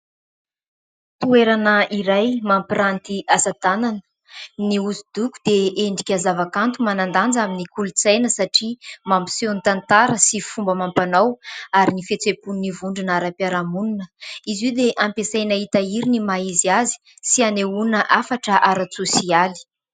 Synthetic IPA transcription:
t̪ueɾanəiɾajmampiɾant̪iasad̪ananə̥ | niuzid̪uku̥d̪̥eeɳɖ͡ʐikʲazavakant̪umanand̪and͡zaminikulut͡sajnəsaʈ͡ʂimampi̥senit̪ant̪aɾəsifumbəmampanawaɾinifet͡sepunnːivuɳɖ͡ʐunaɾapjaɾamununəizid̪eʔampesajnaɦit̪aiɾinimaiziazi̥ | sianeunəʔafaʈ͡ʂəʔaɾat͡susiali̥

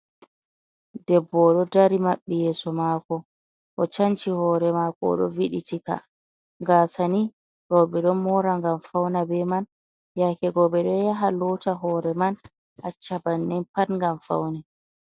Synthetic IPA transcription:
dɛbːɔɗɔdaɾimaɓːɛjɛːsɔmakɔ | ʔɔt͡ʃaɲt͡ʃihɔːɾɛmakɔ̰ɗɔ̰viɗitika̰ | ŋɡasani | ɾɔɓɛɗɔnmɔɾaŋɡamfawnabɛman | jakɛɡɔɓɛɗɔjaɦalɔtaɦɔɾɛman | ʔat͡ʃːabanːɛnpatŋɡamfa̰wnɛ

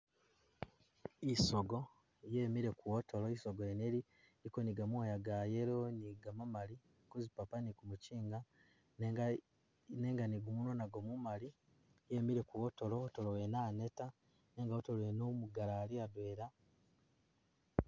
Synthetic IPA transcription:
isoɡo | jeːmiɾe̞kuwoto̞loisoɡoeneli | ɾikoniɡamuajaɡaje̞ɾoniɡamamali | kuzipapanikumuciːŋɡa | ne̞ŋɡaniɡumunonaɡo̞mumali | jemiɾe̞kuwoto̞lo̞ːto̞lowenaːne̞ta | ne̞ːŋɡaotoloenomuɡalaliadweːɾa

